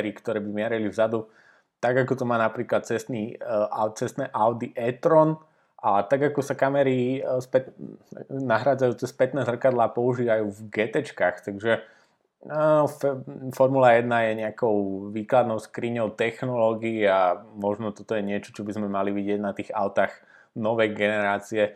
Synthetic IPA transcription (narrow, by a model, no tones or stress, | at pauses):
ɾikt̪ɔɾɛːbimɪɛɾɛlivzad̪u | t̪aɡakɔt̪ɔmaːnapɾiːklat̪̚t͡sɛst̪niat͡sɛst̪nɛʔaʊd̪iʔɛt̪ɾɔn | ʔat̪aɡakɔsakamɛɾispɛt̪ | naɦɾaːd͡zajuːt͡sɛspɛt̪nɛːzr̩kad̪laːpɔuʒiːʋajuːvɡɛt̪ɛt͡ʃkaːxt̪aɡʒɛ | affɔɾmulajɛd̪najɛɲɛakɔʊʋiːklad̪nɔʊskɾiːɲɔʊt̪ɛxnɔlɔɡiːamɔʒnɔt̪ɔt̪ɔjɛɲɪɛt͡ʃɔ̥t͡ʃɔbizmɛmaliʋiɟɪɛɟnat̪iːɣa̰ʊt̪aɣ | nɔʋɛjɡɛnɛɾaːt͡siɛ